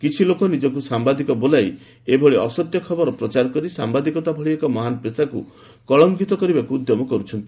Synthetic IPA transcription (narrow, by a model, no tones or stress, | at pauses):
kit͡ʃʰilokɔnid͡ʒɔk̬usambad̪ikɔbolaj | ebʱɔɭiɔsɔt̪jɔkʰɔbɔɾɔpɾɔt͡ʃaɾɔkɔɾisambad̪ikɔt̪abʱɔɭiekɔmɔɦanɔpesakṵ | kɔɭɔŋkit̪ɔkɔɾibakud̪jɔmɔkɔɾut͡ʃʰɔnt̪i